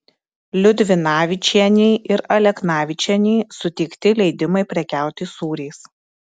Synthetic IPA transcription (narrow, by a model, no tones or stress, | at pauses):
lʲʊd̪ʲʋʲɪnɑːʋʲɪt͡ʃʲiɛnʲɛɪʔɪɾɐlʲɛknɑːʋʲɪt͡ʃʲɛnʲɛːsʊt̪ʲɛɪkt̪ʲɪlʲɛɪd̪ʲɪmɐɪpʲɾʲɛkʲæˑʊt̪ʲiːsuːɾʲeɪs